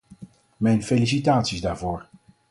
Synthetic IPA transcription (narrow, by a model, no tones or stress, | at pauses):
mɛjnfejlis̬itaːtsizdaːɹvoːɹ